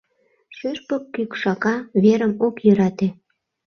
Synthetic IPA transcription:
ʃyʃpəkːykʃɑkɑβeɾəmokjøɾɑt̪e

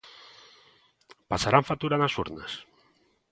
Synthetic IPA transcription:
pasaɾaɱfat̪uɾanasṵɾna̰s

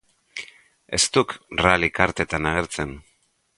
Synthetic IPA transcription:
e̞st̪ukralikaɾt̪e̞t̪anaɣ̞e̞ɾt͡se̞n

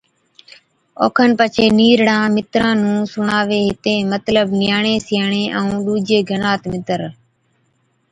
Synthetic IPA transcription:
o̰ːkʰənpət͡ʃʰeːniːɾɽãːmɪt̪ɾãːnũːsʊɳaːʋeːɦɪt̪ẽːmət̪ləbnɪjaːɳẽːsɪjaːɳeːʔəũːɗuːd͡ʒeːɡʱənaːt̪mɪt̪əɾ

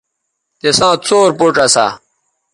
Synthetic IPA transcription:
t̪esãːt͡soːɾpoʈ͡ʂɐsa̰

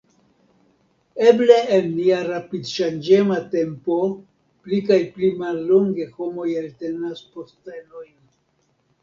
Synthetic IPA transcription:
e̞ble̞ːnːiaɾapidʃand͡ʒe̞mate̞mpo̞ | plikajplimalːoŋɡe̞ho̞mo̞jalte̞nasposteno̞jn

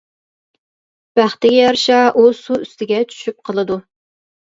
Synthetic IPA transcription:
b̥æχt̪ɪɡʲɛjɑɾʃɑʔusuyst̪ɪɡʲɛt͡ʃʰy̥ʃyp̚qʰəlˠɨd̪u

